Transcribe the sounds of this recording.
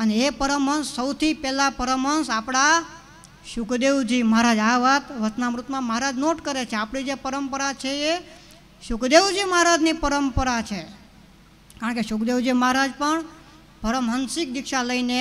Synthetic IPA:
əneepəɾəmənsːəwt̪ʰipɛlapəɾəmənsapɽa | ʃʊkd̪eʋd͡ʒiməɦaɾad͡ʒaʋat̪ʋəsnamɾut̪mãməɦaɾad͡ʒnoʈkəɾet͡ʃʰeapɽ̃id͡ʒepəɾəmpəɾat͡ʃʰee | ʃʊkd̪eʋd͡ʒiməɦaɾad͡ʒnipəɾəmpəɾat͡ʃʰe | kaɾəɳkeʃʊkd̪eʋd͡ʒiməɦaɾad͡ʒpəɳ | pəɾəmɦənsɪk̚d̪ɪkʃaləine

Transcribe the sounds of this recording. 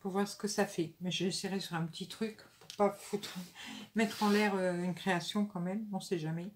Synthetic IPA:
puʁvwaʁsə̥kəsafɛmɛʒəeseʁesyʁɛ̃pət̪it̪χykpuʁpafut̪χmɛt̪χɑ̃lɛʁøynkχeasjɔ̃kɑ̃mɛmɔ̃sɛʒamɛ

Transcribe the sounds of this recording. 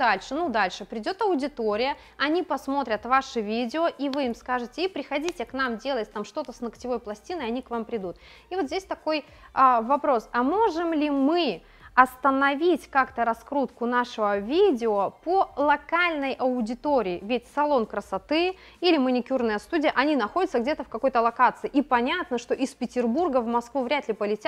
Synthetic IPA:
d̪alʲʂɨnud̪alʲʂɨpɾʲɪdʲo̞t̪ɐʊdʲɪt̪oɾʲɪjə | ɐnʲipɐsmo̞t̪ɾʲət̪vaʂɨvʲidʲɪoʔivɨjimskaʐɨtʲɪipɾʲɪxɐdʲitʲɪknamdʲe̞lˠət̚ʲt̪amʂt̪o̞t̪əsnəktʲɪvo̞jplˠɐsʲtʲinɨɐnʲikvampɾʲɪd̪ut̪ | ivozʲdʲesʲt̪ɐko̞j | avɐpɾo̞sɐmo̞ʐɨmlʲɪmɨ | ɐst̪ənɐvʲitʲkakt̪əɾɐskɾut̪kʊnaʂɨvəvʲidʲɪopəlˠɐkalʲnəjʔɐʊdʲɪt̪oɾʲɪːvʲɪtʲsɐlˠo̞nkɾəsɐt̪ɨ | ilʲɪmənʲɪkʲurnəjəst̪udʲɪjəʔɐnʲinɐxo̞dʲɪt̪səɡdʲet̪əfkɐko̞jt̪əlˠɐkat̪sɨɪʔipɐnʲat̪nəʂt̪o̞ʔispʲɪtʲɪrburɡəvmɐskvuvɾʲat̪lʲɪpəlʲɪtʲat̪

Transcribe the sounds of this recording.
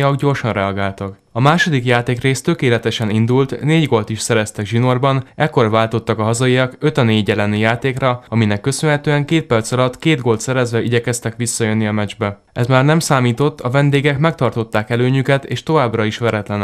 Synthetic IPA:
ɒɡɟo̞rʃɒnrɛɒɡaːlt̪ɒk | ɒmaːʃo̞d̪ikjaːt̪eːkreːst̪ø̞keːlɛt̪ɛʃɛnind̪ult̪neːɟɡo̞lt̪iʃsɛɾɛst̪ɛɡʒino̞rbɒnɛkːo̞rvaːlt̪o̞t̪ːɒkɒɦɒzɒiɒkø̞t̪ɒneːɟɛlɛnijaːt̪eːkrɒɒminɛkːø̞sønɦɛt̪øːɛŋkeːt̪̚pɛrt̪sɒlɒt̪keːd̪ɡo̞lt̪sɛɾɛzʋɛʔiɟɛkɛst̪ɛkʋisːɒjønːiɒmɛd͡ʒbɛ | ɛzmaːrnɛmsaːmiːt̪o̞t̪ːɒvɛnd̪eːɡɛkmɛk̚t̪ɒrt̪o̞t̪ːaːkɛløːɲykɛt̪ḛːʃt̪o̞vaːbrɒiʃʋɛɾɛt̪lɛn

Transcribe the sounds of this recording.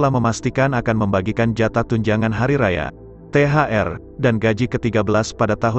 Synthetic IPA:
əlahməmast̪ikanakanməmbaɡikand͡ʒat̪at̪uɲd͡ʒaŋanɦaɾiɾaja̰ | t̪eɦaʔɛr | danɡad͡ʒikət̪iɡabəlaspadat̪aɦu

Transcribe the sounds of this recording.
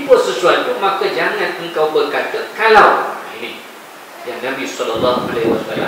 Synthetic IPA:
ipʊrsəsuant̪umãkad͡ʒaŋãnəŋkawbərkat̪əkalawini | jaŋnãbisɔlalːaha̰lɛhwa̰sla̰l̰

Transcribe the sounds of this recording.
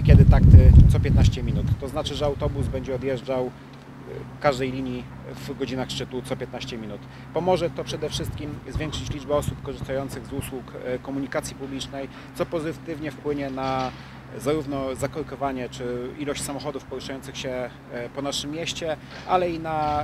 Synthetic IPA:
kʲɛd̪ɘt̪akt̪ɘt̪sɔpʲjɛt̪naɕt͡ɕɛmʲinut̪ːɔznat͡ʂɘʐɛawt̪ɔbuzbɛɲd͡ʑɛɔd̪jɛʐd͡ʐaw | kaʐd̪ɛjlʲiɲji | vɡɔd͡ʑinaxʂt͡ʂɘt̪ut̪sɔpʲjɛt̪naɕt͡ɕɛmʲinut̪ | pɔmɔʐɛt̪ɔpʂɛd̪ɛfʂɘst̪̚kʲimzvʲjɛ̃ŋkʂɘt͡ɕlʲid͡ʐbɛɔsupkɔʐɨst̪ajɔnt̪sɘɣzuswukkɔmuɲikat̪sʲjipublʲit͡ʂnɛj | t̪ɔpɔzɘt̪ɘvɲɛfpwɘɲɛna | zaɾuvnɔzakɔɾkɔvaɲɛt͡ʂɘilɔɕt͡ɕsamɔxɔd̪ufpɔɾuʂajɔnsɘxɕɛ | pɔnaʂɘmːjɛɕt͡ɕɛ | ʔalɛina

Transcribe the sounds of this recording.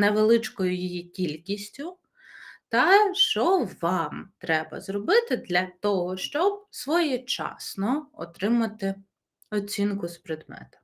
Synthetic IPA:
neʋelˠɪt͡ʃkɔjʊjijikʲilʲkʲisʲtʲʊ | t̪ɐʃt͡ʃɔʋɑmt̪ɾɛbɐ̰zɾɔbɪt̪ɪd̪lʲɐt̪ɔɦɔʃt͡ʃɔb̚sʋɔjɛt͡ʃɑ̰snɔɔ̰t̪ɾɪmɐt̪ɪ | ɔt͡sʲinkʊspɾɪd̪mɛ̰t̪ʊ̥

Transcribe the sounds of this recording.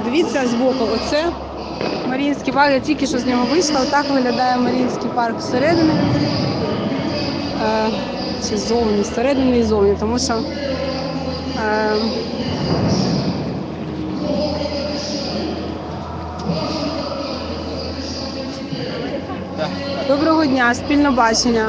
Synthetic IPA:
d̪eʋʲit͡sʲazbɔkɐɔt̪sɛ | mɐɾʲinʲsʲkijpɑrkjatʲilʲkʲɪʃt͡ʃɔzʲnʲɔɦɔʋɪʃlˠɐt̪ɑkʋɪɦlʲɐd̪ɑjɛmɐɾʲinʲsʲkɪjpɑrkseɾɛd̪ɪnɪnn | t͡ʃɪzɔwnʲiseɾɛd̪ɪnɪizɔwnʲit̪ɔmuʃt͡ʃɔ | d̪ɔbɾɔɦɔdʲnʲasʲpʲilʲnɔbɑt͡ʃenʲːɐ

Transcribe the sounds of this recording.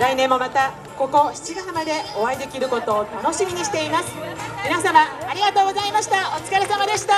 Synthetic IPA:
ɾainẽ̞mːo̞mat̪a | ko̞ko̞çi̥t͡ɕiɡaɯmad̪e̞o̞βaid̪e̞kʲiɾɯ̟ko̞t̪o̞ːt̪ano̞ɕimʲiɲ̟iɕi̥t̪e̞imasɨ̥mʲinasamaːɾʲiɡat̪o̞ːɡo̞zaimaɕi̥t̪aot͡sɨ̥kaɾesamad̪e̞ɕi̥t̪a

